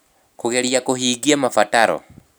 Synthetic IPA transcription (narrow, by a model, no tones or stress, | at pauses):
kuɣɛliakuɦiɡiamafataɾɔ̰